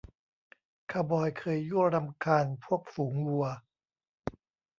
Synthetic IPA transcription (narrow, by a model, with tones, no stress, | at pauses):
kʰaː˧bɔː˧jkʰɤː˧jːu˥˩ɐɾa˧mkʰaː˧npʰu˥˩ək̚fuː˩˦ŋlu˧ɐ